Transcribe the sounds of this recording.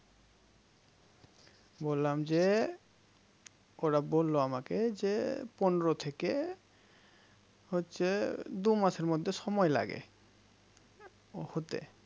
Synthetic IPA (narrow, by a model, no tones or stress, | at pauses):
bolːamd͡ʑe | oɾabolːoamaked͡ʑeponɾot̪ʰeke | hotːɕʰed̪umaʃeɾmod̪ʱːeʃɔmɔela̰ɡḛ | hot̪ḛ